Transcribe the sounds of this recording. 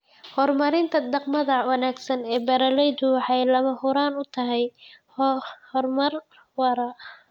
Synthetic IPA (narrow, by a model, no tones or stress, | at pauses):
hɔrmɐɾɪnt̪ʰɐd̪ɑqmɐðɐwɑnaːɡsɐnɛːbɐɾɐlɛjd̪ʊwɑħɑjlɐmɐhʊɾaːnʊt̪ʰɐɦɛj | hɔrmɐr | wɐɾɐ